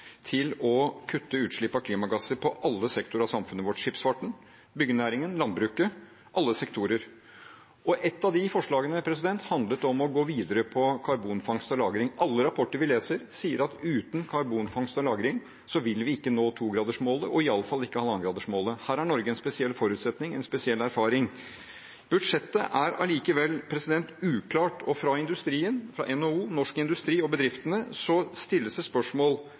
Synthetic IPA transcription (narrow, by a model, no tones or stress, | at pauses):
t̪ʰɪlɔkʰʉt̪ːəʉːt̪ʂɭɪpːɑkʰliːmɑɡɑsəpʰɔʔɑlːəsɛkt̪ʊɾɑʋsɑmfʉnəʋɔʈʂɪpsfɑʈɳ̩ | bʏɡənæːɾɪŋənlɑnd̪̚bɾʉːkə | ʔɑlːəsɛkt̪ʰuːɾəɾ | ʔɔʔɛt̪ːɑd̪ɪfɔʂɭɑːɡənəpʰɾɛsɪd̪ɛnt̪hɑnd̪lət̪ɔmɔɡoːʋiːd̪əɾəpʰɔkʰɑɾbuːnfɑŋst̪ɔlɑːɡɾɪŋɑlːəɾɑpʰɔʈːəɾʋɪleːsəɾsiːəɾɑt̪ʉːt̪n̩kʰɑɾbuːnfɑŋst̪ɔlɑːɡɾɪŋ | sɔʋɪlʋɪɪkːənoːt̪ʰuːɡɾɑːd̪əʂmoːləʔɔɪɑlːəfɑlɪkːəhɑːlɑŋɡɾɑːd̪əʂmoːləhæːɾhæɳɔɾɡəɛnspɛsɪɛlːfɔɾʉːt̪sɛt̪nɪŋɛnspɛsɪɛlːæɾfɑːɾɪŋ | b̥ʉd̪ʂɛt̪ːəʔæɾɑ̰liːkəʋɛlːpʰɾɛsɪd̪ɛnt̪ʉːkʰlɑːʈɔfɾɑɪnd̪ʉst̪ɾiːənfɾɑ̰ʔɛnouːnɔʂkəɪnd̪ʉst̪ɾiːɔbəd̪ɾɪft̪ənəsɔst̪ɪlːəsɛspœʂmoːl